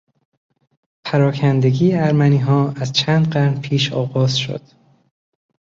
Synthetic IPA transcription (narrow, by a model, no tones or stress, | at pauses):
pʰæɾɒːkʰænd̪e̞ɡiːeæɾmæniːɦɒːæzt͡ʃʰæːnd̪ɢæɾnpʰiːʃɒ̰ːɣɒːz̥ʃo̰d̪̥